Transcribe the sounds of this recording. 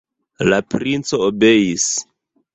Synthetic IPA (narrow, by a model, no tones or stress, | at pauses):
lapɾint͡so̞obe̞jis